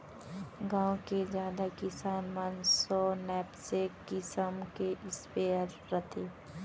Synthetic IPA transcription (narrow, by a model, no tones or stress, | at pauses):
ɡãːwkezjaːd̪akɪsaːnmənsɔːnɛːpsekːɪsəmkeʔɪspeːəɾːət̪ʰeː